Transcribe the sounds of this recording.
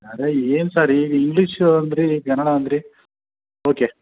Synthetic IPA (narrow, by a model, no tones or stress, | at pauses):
ɐɾeeːnsaːɾiːŋɡliʂɐnd̪ɾikɐnːɐɽaɐnd̪ɾi | oːke